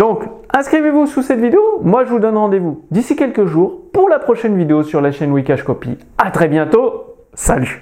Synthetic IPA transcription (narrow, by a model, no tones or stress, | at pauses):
d̪ɔ̃kɛ̃skχivevususɛt̪vid̪eomwaʒəvud̪ɔnʁɑ̃d̪evud̪isikʲɛlkəʒuːʁpuʁlapχɔʃɛnvid̪eosyʁlaʃɛnwikaʒkɔpḭat̪χɛbjɛ̃t̪o | saly